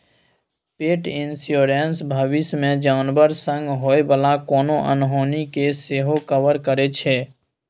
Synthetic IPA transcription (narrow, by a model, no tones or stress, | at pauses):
peːʈɪnsjoːɾensbʱəʋɪsmẽd͡ʒaːnbəɾsə̃ŋɡɦoːebəlakɔːnõʔə̰nɦoːnikeseːɦokəʋəɾkəɾet͡ʃʰeː